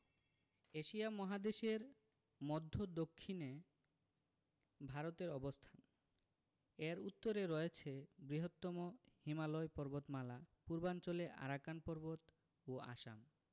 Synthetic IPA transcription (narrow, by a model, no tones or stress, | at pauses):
eʃiamɔɦad̪eʃeɾ | mɔd̪ʱːod̪okʰːine | bʱaɾot̪eɾɔbost̪ʰan | eɾut̪ːoɾeɾɔet͡ɕʰebɾiɦot̪ːɔmohimaloepɔɾbot̪malapuɾbant͡ɕoleʔa̰ɾakanpɔɾbot̪ | oa̰ʃa̰m